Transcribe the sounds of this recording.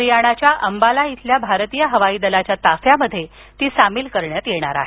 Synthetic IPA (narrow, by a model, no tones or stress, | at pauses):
ɾijaɽ̃at͡ɕjaʔəmbalait̪ʰljabʱaɾt̪iːjəɦəʋaiːd̪əlat͡ɕjat̪afjaməd̪ʱːje | t̪iːsamiːlkəɾɳjat̪jeɽ̃a̰ɾa̰ɦe